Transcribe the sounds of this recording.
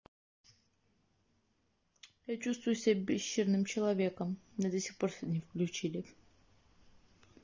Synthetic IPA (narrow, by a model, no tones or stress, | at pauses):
jat͡ɕust̪vʊjʊsʲabʲɪɕːɪrnɨmt͡ɕɪlˠɐvʲe̞kəmnod̪əsʲixpo̞rsʲɛnʲɪfklʲʉt͡ɕilʲɪ